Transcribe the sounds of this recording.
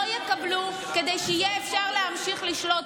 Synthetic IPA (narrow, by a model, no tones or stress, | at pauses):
ojekablu | ke̞d̪e̞jʃɛijeːfʃaʁlehamʃiχliʃlo̞t